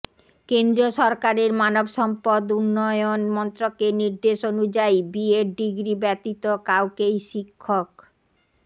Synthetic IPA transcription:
kend̪ɾioʃɔɾkaɾeɾmanobʃɔmpod̪unːɔjonmɔnt̪ɾokeniɾd̪eʃonud͡ʑajbieɾɖiɡɾibɛt̪it̪okawkejʃikʰːok

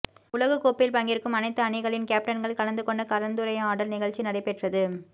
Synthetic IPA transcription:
ʊlɐɣɯkːoːpːɪlpɐŋɡɪɾɯkːɯmɐnɐɪt̪ːɯɐɳɪɣɐɭɪnkaːp̚ʈɐnɡɐɭkɐɭɐnd̪ɯkɔɳɖɐkɐlɐnd̪ɯɾɐɪjɐaːɽɐlnɪɣɐɭt͡ʃinɐɽɐɪpːɛʈrɐðɯ

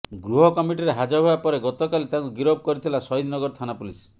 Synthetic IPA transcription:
ɡɾuɦɔkɔmiʈiɾeɦad͡ʒɔbʱɔapɔɾeɡɔt̪okalit̪aŋkuɡiɾob̚ʱkɔɾit̪ʰilasɔɦid̪nɔɡɔɾt̪ʰanapulis

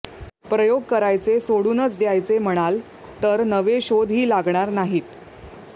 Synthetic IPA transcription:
pɾəjoɡ̚kəɾajt͡sesoɽuːnət͡sd̪jajt͡sem̤əɽ̃al | t̪əɾnəʋeɕod̪ʱɦiːlaɡɳaɾnaɦiːt̪

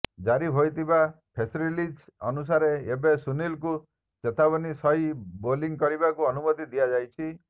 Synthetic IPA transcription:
d͡ʒaɾiɦojt̪ʰiba | pʰesɾilid͡ʒɔ̰nus̬aɾeebesunilku | t͡ʃet̪abɔnisɔɦiboliŋkɔɾibakuɔnumɔt̪id̪iad͡ʒajt͡ʃʰi

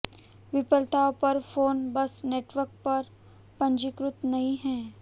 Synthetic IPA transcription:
ʋɪpəlt̪apɐɾfoːnbɐsneːʈʋəɾk̚pɐɾ | pɐ̃ɲd͡ʒɪkɾʊt̪nɐɦĩɦɛ̃ː

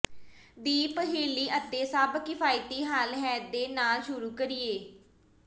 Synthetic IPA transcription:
d̪iːpəɦeːlːiːʔət̪ːeːsəbkɪpʰaːiːt̪iːɦaːlɦɛːd̪eːnaːlʃʊɾuːkəɾɪːeː

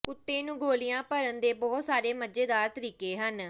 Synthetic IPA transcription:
kʊt̪ːeːnũːɡoːlɪjãːpəɾənd̪eːbɔːt̪saːɾeːməd͡ʒeːd̪aːɾt̪əɾiːkeːɦən

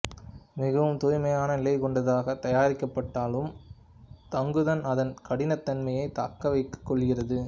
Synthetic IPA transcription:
mɪɣɐʋɯmt̪ʊɾɪmɐjaːnɐnɪlɐɪkɔɳɖɐðaːɣɐt̪ɐjaːɾɪkːɐpːɐʈːaːlɯm | t̪ɐŋɡɯðɐnɐðɐnkɐɽɪnɐt̪ːɐnmɐjɐɪt̪a̰ːkːɐʋɐɪkːɐ̥kːɔɭɣɪrɐðɯ

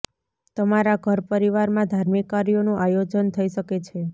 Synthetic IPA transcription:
t̪əmaɾaɡʱəɾpəɾiʋaɾmãd̪ʱaɾmikaɾijonũʔajod͡ʒənt̪ʰəiʃəket͡ʃʰe

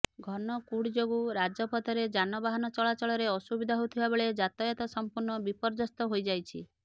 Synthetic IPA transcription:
ɡʱɔnɔkuɽd͡ʒoɡuɾad͡ʒɔpɔt̪ʰɔɾed͡ʒanɔbaɦanɔt͡ʃɔɭat͡ʃɔɭɔɾeɔsubid̪ʱaɦout̪ʰibabeɭed͡ʒat̪ɔjɔt̪ɔsɔmpuɾɳɔbipɔɾd͡ʒɔst̪ɔɦojd͡ʒajt͡ʃʰi

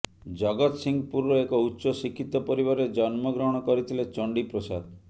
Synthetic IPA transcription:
d͡ʒɔɡɔt̪siŋɡpuɾɾɔekɔutːʃɔsikʰːit̪ɔpɔɾiβaɾed͡ʒɔnmɔɡɾɔɦɽ̃ɔkɔɾit̪ʰilet͡ʃɔɳɖipɾosad̪

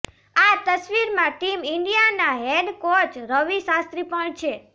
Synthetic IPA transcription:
at̪əsʋiɾmãʈimɪɳɖijanaɦeɖkot͡ʃɾəʋisast̪ɾipəɳt͡ʃʰe

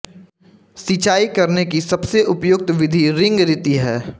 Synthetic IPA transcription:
sit͡ʃaːikɐɾnekisɐbseʔʊpjʊk̚t̪ʋɪd̪ʱiɾɪ̃ŋɡɾɪt̪iɦɛː

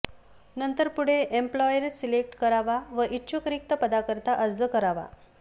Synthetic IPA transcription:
nənt̪əɾpuɽ̤eʔemplɔjəɾsilek̚ʈkəɾaʋaʋəʔitːɕʰukɾik̚t̪əpəd̪akəɾt̪aʔəɾd͡zəkəɾaʋa̰

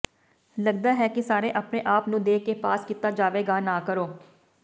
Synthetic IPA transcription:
ləɡ̚d̪aːɦɛːkɪsaːɾeːʔapneːʔaːpnũːd̪eːkeːpaːskiːt̪aːd͡ʒaːʋeːɡaːnaːkəɾoː

